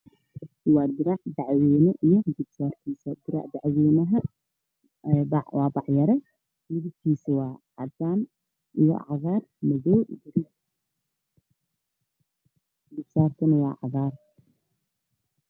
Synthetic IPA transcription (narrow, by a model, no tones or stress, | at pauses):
wɑːd̪ɪɾɑʕd̪ɑʕwiːnɐʔijɔɡɪbsaːrt̪ʰiːsɐd̪ɪɾa̰ʕd̪aʕwiːnɐɦɐ | bʕwɑːbɑʕjɐɾɛ | mɪðɪb̚t̪ʰiːsɐwɑːʕɑd̪aːn | ijɔ̰ʕɑɣaːrmɐðɔwbɪɾɪ | ɡɪbsaːrt̪ʰɐnɐwɑ̰ːʕɑɣaːr